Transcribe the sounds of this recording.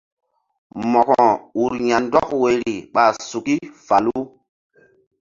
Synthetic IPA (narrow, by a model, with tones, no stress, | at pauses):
mɔ˨kɔ˨u˨ɾɲa˨ndɔ˦kwe˨ɾi˨ɓa˨su˨ki˦fa˨lu˦